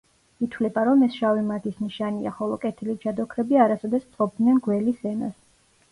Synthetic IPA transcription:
it̪ʰwlɛbaɾɔmɛsʃavimaɡ̪isniʃania̰χɔlˠɔkʼɛt̪ʰilid͡ʒad̪ɔkʰɾɛbiaɾasɔd̪ɛst̪ʼqʼɔb̚d̪nɛnɡwɛlisɛna̰s

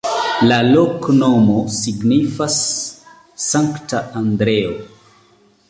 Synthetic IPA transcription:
lalokno̞mo̞siɡnifasː | aŋktaʔandɾeo

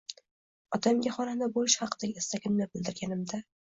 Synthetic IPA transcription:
ɒt̪ʰamɡʲaχɒnanabojɪʃhɑqʰɨd̪aɡʲɪɪst̪akʲʰɪmnabɪld̪ɪɾɡʲanɪmd̪a

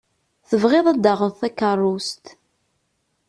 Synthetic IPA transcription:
θəvʁɪðˤæd̪ɑʁənθækːərˤːust̪

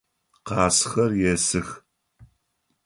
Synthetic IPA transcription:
qɑːsxɐrjɛsɨx

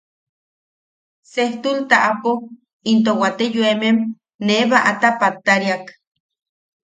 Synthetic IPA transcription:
seht̪ult̪aʔapo | int̪̬owat̪ejuemem | neβaʔat̪apat̪ːaɾjak

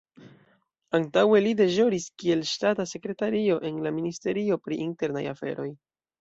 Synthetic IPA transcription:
antawe̞lide̞ʒo̞ɾiskie̞lʃtatase̞kɾe̞taɾio̞ʔe̞nlaministe̞ɾio̞pɾiʔinte̞ɾna̰ja̰fe̞̰ɾo̞j

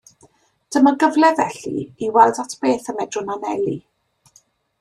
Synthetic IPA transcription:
d̥əməɡəvlˠɛðɛɬḭiwɛlˠdatʰb̥eːθəmɛdrʊnanɛlˠi

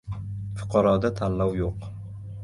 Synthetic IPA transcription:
fʊ̥qʰɑɾɒd̪at̪ʰalːɒwjoq

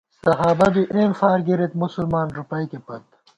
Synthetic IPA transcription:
sɐɦaːbɐd̪uʔeːmfaːɾɡiɾet̪musulmaːnɾupɐjkepɐt̪

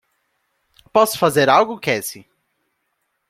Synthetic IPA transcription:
pɔsʊ̥fazeɾawɡʊkɛsɪ

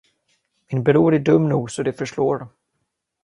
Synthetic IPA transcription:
mɪnbɛɾuːɾɪɖɵmːnuːɡsɔd̪ɛfœʂʈoːɾ

